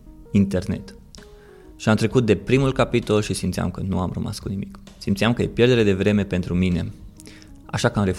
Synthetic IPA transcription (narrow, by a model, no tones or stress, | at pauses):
int̪e̞rne̞̰t̪ | ʃiamt̪ɾe̞kut̪̚d̪e̞pɾimulkapit̪o̞lʃisimt̪sia̰mkənṵamrəma̰skunimik | simt̪siamkəje̞pje̞rd̪eɾe̞d̪e̞vɾe̞me̞pe̞nt̪ɾumine̞̰ | a̰ʃakamɾe̞f